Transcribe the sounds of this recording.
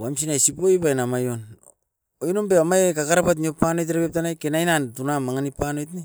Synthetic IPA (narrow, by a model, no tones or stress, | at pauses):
wams̬inajsipojbajnamajon | ojnombeamajekakaɾapat̬niopano̞jt̬ɾapep̚tanajkenajnantunamaŋanipanojtni